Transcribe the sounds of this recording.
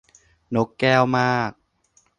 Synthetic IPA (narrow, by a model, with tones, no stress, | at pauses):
no˦˥kːɛː˥˩wmaː˥˩k̚